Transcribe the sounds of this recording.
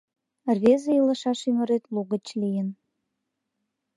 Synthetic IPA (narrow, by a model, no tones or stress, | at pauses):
rβezejiləʃɑʃymə̆ɾet̪luɣə̆t͡ɕlijən